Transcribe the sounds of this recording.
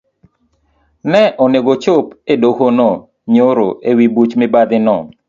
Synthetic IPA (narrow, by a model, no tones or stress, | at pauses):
nɛʔɔneɡot͡ʃopedokonɔ | ɲoɾoewibut͡ʃmɪbad̪ɪnɔ